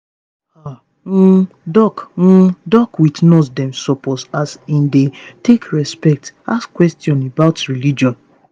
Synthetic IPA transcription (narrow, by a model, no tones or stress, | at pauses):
a | m̩ | dɔkm̩dɔkwitnɔsdɛ̃msɔpɔsasĩndetekʰɹɛspɛk̚taskwɛstjɔ̃nebaʊtɹilid͡ʒɔ̃n